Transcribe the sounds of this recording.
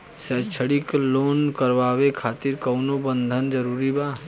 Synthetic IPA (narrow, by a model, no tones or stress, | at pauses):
sət͡ʃʰəɽikloːnkəɾʋaːʋekʰaːt̪iɾkəʊnobənd̪ʱənd͡ʒəɾuːɾiba